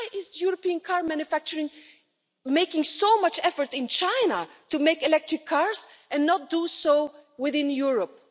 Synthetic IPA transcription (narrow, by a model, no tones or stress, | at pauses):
ɪʔɪzəjuɹɔpiə̃nkʰɑɹmæ̃njɨfæk̚t͡ʃəɹɪ̃ŋ | meɪkɪ̃ŋsoʊmʌt͡ʃɛfə˞tɪ̃nt͡ʃãɪnətumeɪkɨlɛk̚tɹ̥ɪkʰːɑɹzɨ̃nːət̚d̥usoʊwɪðɪ̃njuɹəp̚